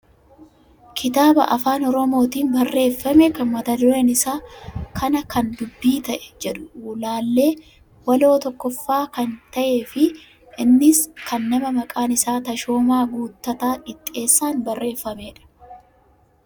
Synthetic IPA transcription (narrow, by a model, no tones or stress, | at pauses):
kʰɪt̪aːbɐ̰ʔɐ̰faːnɔɾɔmo̞ːt̪iːnbɐrːe̞ːfːɐmɛkɐnmɐt̪ɐd̪ʊɾenɪsaːkʰɐnɐkɐnd̪ʊbːiːt̪ɐʔɛ̥d͡ʒɛᶑʊ̥uːlaːlːe̞ː | wɐlo̞ːt̪ɔkːɔfːaːkɐnt̪ɐʔeːfɪ | ʔɪnːɪskʰɐnːɐmɐmɐkʼaːnɪsaːt̪ɐʃo̞ːmaːɡuːt̪ːɐt̪aːᶑɪt̪ʼːe̞ːsːaːnbɐrːe̞ːfːɐmeːᶑɐ̥